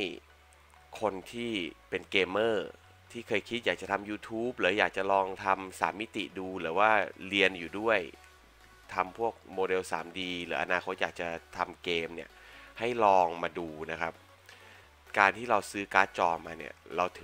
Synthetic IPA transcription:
j | kʰo˧nt̪ʰiː˥˩pe˧nkeː˧mːɤː˥˩ | t̪ʰiː˥˩kʰɤː˧jkʰi˦˥jaː˨˩k̚t͡ɕa˨˩t̪ʰa˧mjuː˧t̪ʰuː˦˥p̚lɯː˩˦jaː˨˩k̚t͡ɕa˨˩lɔː˧ŋt̪ʰa˧msa̰ː˩˦mːi˦˥t̪ḭ˨˩duː˧lɯː˩˦waː˥˩li˧ənjuː˨˩du˥˩əj | t̪ʰa˧mpʰu˥˩ək̚moː˧de˧wsa̰ː˩˦mdiː˧lɯː˩˦ʔa̰˧naː˧kʰo˦˥t̪̚jaː˨˩k̚t͡ɕa˨˩t̪ʰa˧mkeː˧mni˥˩ɐha˥˩jlɔː˧ŋmaː˧duː˧na˦˥kʰa˦˥p̚ | kaː˧nt̪ʰiː˥˩ɾa˧wsɯː˦˥kaː˦˥t̪̚t͡ɕɔː˧maː˧nḭ˦˥˩ɐɾa˧wt̪ʰɯ˩˦

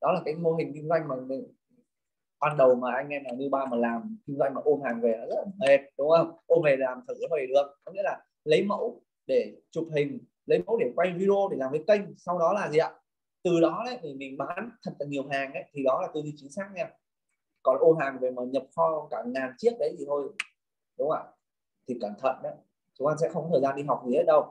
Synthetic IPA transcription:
ɗɔ˨˦laː˨˩kaː˨˦jmo˧ɦï˨˩ŋ̟ki˧ŋ̟zwa˧jŋ̟maː˨˩m˨˩ | ɓaː˧nɗə˨˩wmaː˨˩ʔa˧jŋ̟ʔɛ˧naː˨˩wɲɨ˧ɓaː˧˩məː˨˩laː˨˩mkï˧ŋ̟zwa˧jŋ̟maː˨˩ʔo˧ɦaː˨˩ŋve˨˩nɔ˨˦zə˦˥t̚la˨˩me˨˩t̚ɗʊ˨˦ŋ͡mʔə˧wŋ͡mʔo˧me˨˩t̚laː˨˩mt̪ʰə˨˩zə˨˦və˨˩jɗɨ˨˩ək̚nɔ˨˦ŋḭ˧˥əlaː˨˩ | lə˨˦jmə̰˧˥w | ɗe˧˩t͡ɕʊ˨˩p̚hï˨˩ŋ̟ | lə˨˦jmə̰˧˥wɗe˧˩kwa˧jvi˧ɾo˧ɗe˧˩laː˨˩mvə˨˦jkə˧jŋ̟sa˧wɗɔ˨˦laː˨˩zi˨˩ʔa̰ː˨ | t̪ɨ˨˩ɗɔ˨˦nə˨˦jt̪ʰi˨˩mï˨˩ŋ̟ɓaː˨˦nt̪ʰə˨˩t̚laː˨˩ɲi˨˩əwɦaː˨˩ŋʔə˨˦jt̪ʰi˨˩ɗɔ˨˦laː˨˩t̪o˧jɗi˧t͡ɕï˨˦ŋsaː˦˥k̚ɲaː˧ | kɔ˨˦n˧ʔo˧ɦaː˨˩ŋve˨˩məː˨˩ɲə˨˩p̚xɔ˧kaː˧˩ŋaː˨˩nt͡ɕi˦˥ək̚ɗə˨˦jzʰi˨˩t̪ʰo˧j | ɗʊ˨˦ŋ͡mʔə˧˩j | t̪ʰi˨˩kaː˧˩mt̪ʰə̰˧˨nɗə˨˦j | t͡ɕʊ˨˦ŋ͡mʔa˧ns̬ɛ̰˧˥xŋ͡mkɔ˦əː˨˩zaː˧nɗi˧ɦa˨˩wk͡p̚zi˨he˦˥t̚ɗə˧w

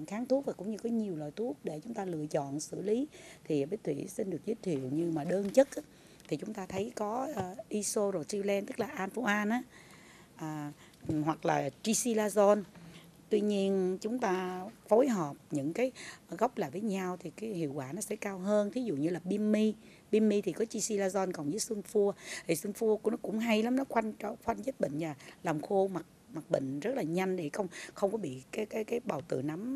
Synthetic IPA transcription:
xaː˨˦ŋt̪ʰu˦˥ək̚vaː˨˩kʊ̰˧˥ŋ͡mɲɨ˧kɔ˨˦ɲi˨˩əwlɔ̰˨jt̪ʰu˦˥ək̚ɗe˧˩t͡ɕʊ˨˦ŋ͡mt̪aː˧lɨ̰˧˨ət͡ɕɔ̰˧˨nsɨ̰˧˩li˨˦t̪ʰi˨˩ɓə˨˦˥t̪ʰwḭ˧˩˨si˧nɗɨ˨˩ək̚zi˦˥t̚t̪ʰḭ˧˨əwɲɨ˧maː˨˩ɗəː˧nt͡ɕə˦˥t̚ʔaː˨˦ | t̪ʰi˨˩t͡ɕʊ˨˦ŋ͡mt̪aː˧t̪ʰə˨˦jkɔ˨˦˨ʔi˧so˧zo˨˩si˧lɛ˧nt̪ɨ˦˥k̚laː˨˩ʔaː˧nfo˧ʔaː˧nʔaː˨˦ | ʔəː˨˩ | hwa˨˩k̚laː˨˩t͡ɕi˧si˧laː˧zo˧n | t̪wi˧ɲi˧ənt͡ɕʊ˨˦ŋ͡mt̪aː˧fo˨˦jɦɔ˨˩p̚ɲɨ̰˧˥ŋkaː˨˦jɣa˦˥wk͡p̚laː˨˩jvəː˨˦jɲa˧wt̪ʰi˨˩kaː˨˦jhḭ˧˨əwkwaː˧˩nɔ˨˦sɛ̰˧˥kaː˧wɦəː˧nt̪ʰi˨˦zṵ˧˨ɲɨ˧laː˨˩ɓi˧mːi˧ | ɓi˧mːi˧t̪ʰi˨˩kɔ˨˦t͡ɕi˧si˧laː˧zɔ˧nkɔ˨˩nvə˨˦jswɨ˧ənfu˧ət̪ʰi˨˩swɨ˧nfu˧ə˧˩nɔ˨˦kʊ̰˧˥ŋ͡mɦa˧jla˨˦mnɔ˨˦xwa˧jŋ̟t͡ɕɔ˧xwa˧ŋzə˦˥t̚ɓḭ˧˨ŋ̟zaː˨˩laː˨˩mxo˧ma˨˩t̚ma˨˩t̚ɓḭ̈˧˨ŋ̟zə˦˥t̚laː˨˩ɲa˧jŋ̟ɗe˧˩xə˧wŋ͡mxə˧wŋ͡mkɔ˨˦ɓḭ˧˨kaː˨˦jkaː˨˦jkaː˨˦jɓaː˨˩wt̪ɨ̰˧˨na˨˦m

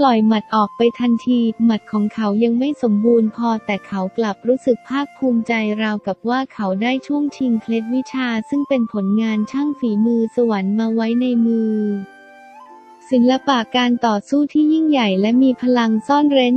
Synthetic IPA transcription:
lɔ˨˩jma˨˩t̪̚ʔɔː˨˩k̚pa˧jt̪ʰa˧nt̪ʰiː˧ma˨˩t̪̚kʰɔː˩˦ŋkʰa˩˦˥wja˧ŋma˥˩jso˩˦mbuː˧npʰɔː˧t̪ɛː˨˩kʰa˩˦˥wkla˨˩p̚ɾuː˦˥sɯ˨˩k̚pʰaː˥˩k̚pʰuː˧mt͡ɕa˧jɾaː˧wka˨˩p̚waː˥˩kʰa˩˦˥wdaː˥˩jt͡ɕʰu˥˩əŋt͡ɕʰi˧ŋkʰle˦˥t̪̚wi˦˥t͡ɕʰaː˧sɯ˥˩ŋpe˧npʰo˩˦nŋaː˧nt͡ɕʰa˥˩ŋfiː˩˦mɯː˧sa˧wa˩˦nmaː˧wa˦˥jna˧jmɯː˧ | si˩˦nla˧paː˨˩kaː˧nt̪ɔː˨˩suː˥˩t̪ʰiː˥˩ji˥˩ŋja˨˩jlɛ˦˥miː˧pʰa˧la˧ŋsɔː˥˩nɾe˦˥n

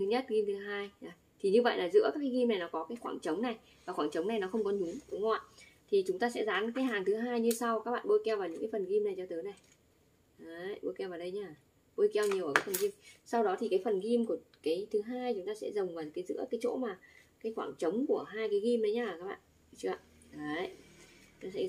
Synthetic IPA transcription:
t̪ʰɨ˨˦ɲə˦˥t̚ɣi˧mt̪ʰɨ˨˦ɦaː˧jə˨˩˦ | t̪ʰi˨˩ɲɨ˧və̰˧˨jlaː˨˩zɨ̰˧˥əkaː˦˥kːa˨˦ɣi˧mna˨˩jnɔ˨˦kɔ˨˦kaː˨˦jxwaː˧˩ŋt͡ɕə˨˦wŋ͡mna˨˩j | vaː˨˩xwaː˧˩t͡ɕə˨˦wŋ͡mna˨˩jnɔ˨˦xə˧wŋ͡mkɔ˨˦ɲʊ˨˦ŋɗʊ˨˦ŋ͡ma˧˨t̪ʰi˨˩t͡ɕʊ˨˦ŋ͡mt̪aː˧sɛ̰˧˥zaː˨˦n˧˥kaː˨˦jɦaː˨˩ŋt̪ʰɨ˨˦ɦaː˧jɲɨ˧sa˧wkaː˦˥k̚ɓa̰ː˧˨ɓo˧jkɛ˧wva˨˩wɲɨ̰˧˥ŋkːfə˨˩nɣi˧mna˨˩jt͡ɕɔ˧t̪ɨː˨˦jna˨˩j | ə˨˦ɓo˧jkɛ˧wvaː˨˩wɗə˧jɲaː˧˩ | ɓo˧jkɛ˧wɲi˨˩wʔəː˨˩kaː˨˦fə˨˩nɣi˧msa˧wɗɔ˨˦t̪ʰi˨˩kaː˨˦jfə˨˩nɣi˧mku˧˩əkaː˨˦jt̪ʰɨ˨˦ɦaː˧jt͡ɕʊ˨˦ŋ͡mt̪aː˧sɛ̰˧˥zə˨˩wŋ͡mvaː˨˩kaː˨˦jzɨ̰˧˥əkaː˨˦jt͡ɕo̰˧˥maː˨˩ | kaː˨˦jxwaː˧˩ŋt͡ɕə˨˦wŋ͡mku˧˩əɦaː˧jkaː˨˦jɣi˧mɗə˨˦jɲaː˧˨kaː˦˥k̚ɓa̰ː˧˨n | t͡ɕɨ˧˩a˧˨ | ə˨˦ | nɔ˨˦sɛ̰˧˥

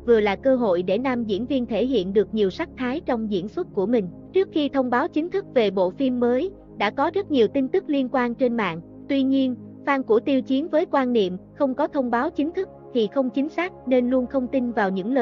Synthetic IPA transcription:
vɨ˨˩əlaː˨˩kəː˧ɦo̰˧˨jɗe˧˩naː˧mzḭ˧˥ənvi˧ənt̪ʰe˧˩ɦḭ˧˨ənɗɨ˨˩ək̚ɲi˨˩əwsa˦˥k̚t̪ʰaː˨˦jt͡ɕɔ˧wŋ͡mzḭ˧˥ənswə˦˥t̚ku˧˩əmï˨˩ŋ̟ | t͡ɕɨ˦˥ək̚xi˧t̪ʰə˧wŋ͡mɓaː˨˦wt͡ɕï˨˦ŋ̟t̪ʰɨ˦˥k̚ve˨˩ɓo̰˧˨fi˧mːəː˨˦j | ɗa̰ː˧˥kɔ˨˦zə˦˥t̚ɲi˨˩əwt̪i˧ŋ̟t̪ɨ˦˥k̚li˧ənkwaː˧nt͡ɕe˧nma̰ː˧˨n | t̪wi˧ɲi˧ən | faː˧nku˧˩ət̪i˧əwt͡ɕi˨˦ənvəː˨˦jkwaː˧nːḭ˧˨əmxə˧wŋ͡mkɔ˨˦t̪ʰə˧wŋ͡mɓaː˨˦wt͡ɕï˨˦ŋ̟t̪ʰɨ˦˥k̚t̪ʰi˨˩xə˧wŋ͡mt͡ɕï˨˦ŋ̟saː˦˥k̚ne˧nlu˧ənxə˧wŋ͡mt̪i˧nvaː˨˩wɲɨ̰˧˥ŋləː˨˩

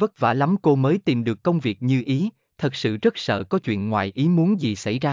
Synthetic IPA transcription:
və˦˥t̚va̰ː˧˩la˨˦mko˧məː˨˦jt̪i˨˩mɗɨ˨˩əkːə˧wŋ͡mvi˨˩ək̚ɲɨ˧ʔi˨˦ | t̪ʰə˨˩t̚sɨ̰˧˨zə˦˥t̚sə̰ː˧˨kɔ˨˦t͡ɕwḭ˧˨ənŋwaː˨˩jʔi˨˦mu˨˦ənzi˨˩sa̰˧˩jzaː˧

